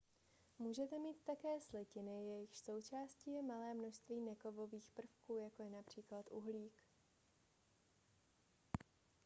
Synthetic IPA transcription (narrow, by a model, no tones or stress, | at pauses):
muːʒɛt̪ɛmiːt̪ːakɛːslɛcɪnɪjɛjɪxʃso̞wt͡ʃaːsciːjɛmalɛːmno̞ʃst̪viːnɛko̞vo̞viːxpr̩fkuːjako̞jɛnapr̝̥iːklat̪ʔuɦliːk